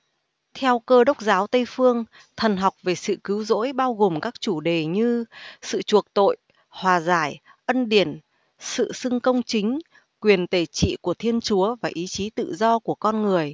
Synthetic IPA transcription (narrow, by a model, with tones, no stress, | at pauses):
t̪ʰɛ˧wkəː˧ɗə˦˥wk͡p̚zaː˨˦wt̪ə˧jfɨ˧əŋ | t̪ʰə˨˩nɦa˨˩wk͡p̚ve˨˩sɨ̰˧˨kɨ˨˦wzo̰˧˥jɓaː˧wɣo˨˩mkaː˦˥k̚t͡ɕu˧˩ɗe˨˩ɲɨ˧sɨ̰˧˨t͡ɕu˨˩ək̚t̪o̰˧˨j | hwaː˨˩zaː˧˩j | ʔə˧nɗi˧˩ən | sɨ̰˧˨sɨ˧ŋkə˧wŋ͡mt͡ɕï˨˦ŋ̟ | kwi˨˩ənt̪e˧˩t͡ɕḭ˧˨ku˧˩ət̪ʰi˧ənt͡ɕu˨˦əvaː˨˩ʔi˨˦t͡ɕi˨˦t̪ɨ̰˧˨zɔ˧ku˧˩əkɔ˧nŋɨ˨˩əj